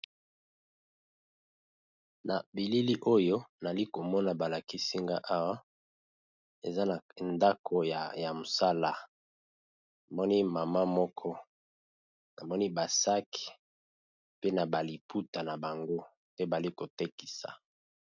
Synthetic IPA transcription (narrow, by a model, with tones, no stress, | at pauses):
na˨bi˨li˦li˦ʔo˦jo˦na˨li˦ko˨mɔ˦na˨ba˨la˨ki˦si˦ŋɡa˦ʔa˦wa˦ | e˨za˦na˨nda˦kʰo˨ja˨ja˨mo˨sa˦la˨ | na˨mɔ˦ni˦ma˨ma˦mɔ˦kʰɔ˦ | na˨mɔ˦ni˦ba˨sa˦ki̥˨ | pe˦na˨ba˨li˨pʰu˦ta˨na˨ba˨ŋɡo˦ | pe˦ba˨li˦ko˨te˦ki̥˨sa̰˨